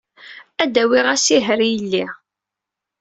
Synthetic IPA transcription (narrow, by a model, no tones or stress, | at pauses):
æd̪æwiʁæsiɦəɾjəlːi